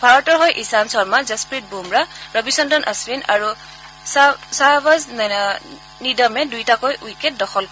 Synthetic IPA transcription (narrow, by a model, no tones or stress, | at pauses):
bʱaɹɔtɔɹɦojʔisansɔɹmazaspɹit̚bumɹaɹɔbisɔndɔnʔasbinaɹu | sasabazna | nidɔmɛdujtakojujket̚dɔxʰɔl